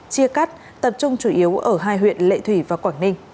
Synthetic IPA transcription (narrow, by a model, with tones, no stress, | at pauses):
t͡ɕi˧əka˦˥t̚ | t̪ə˨˩p̚t͡ɕʊ˧ŋ͡mt͡ɕu˧˩ʔi˨˦əwʔəː˧˩ɦaː˧jɦwḭ˧˨ənlḛ˧˨t̪ʰwi˧˩vaː˨˩kwaː˧˩nnï˧ŋ̟